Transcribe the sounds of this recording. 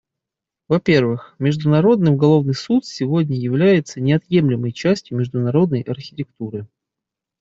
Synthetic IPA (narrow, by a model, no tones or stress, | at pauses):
vɐpʲe̞rvɨxmʲɪʐd̪ʊnɐɾo̞d̪nɨjʊɡɐlˠo̞vnɨjsut̪sʲɪvodʲnʲəjɪvlʲæjɪt̪sənʲɪɐt̪je̞mlʲɪməjt͡ɕæsʲtʲjʊmʲɪʐd̪ʊnɐɾo̞d̪nəjɐrxʲɪ̥tʲɪk̚t̪uɾɨ